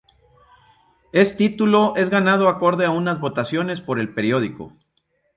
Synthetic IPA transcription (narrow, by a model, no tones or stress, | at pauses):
e̞st̪it̪ulo̞ʔe̞zɣanað̞o̞ako̞ɾðeaunazβo̞t̪asjo̞ne̞spo̞ɾe̞lpe̞ɾjo̞ð̞iko̰